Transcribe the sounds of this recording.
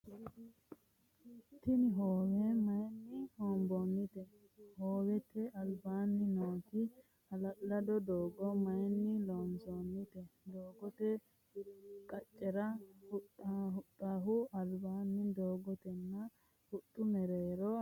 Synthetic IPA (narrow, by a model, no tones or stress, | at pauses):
t̪ɪnɪɦoːwɛmɐjnːɪhoːmbɔnːɪt̪ɛ | hoːwɛt̪ːɛɐlbaːnːɪnoːt̪ɪ | hɐlɐʔlɐd̪ɔd̪oːɡɔmɐjnːɪloːmsɔnːɪt̪ɛd̪oːɡɔt̪ɛ | kʼɐt͡ʃʼːɛɾɐhʊt̪ːhʊt̪ʼːaːɦʊɐlbaːnːɪd̪oːɡɔt̪ɛnːɐ | hʊt̪ʼːʊmɛɾeːɾɔ